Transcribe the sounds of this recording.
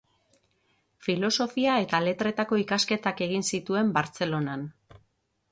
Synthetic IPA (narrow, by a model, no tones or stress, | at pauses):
filo̞so̞fiae̞t̪ale̞t̪ɾe̞t̪ako̞ikaske̞t̪ake̞ɣ̞insit̪ue̞mbaɾt͡se̞lo̞nan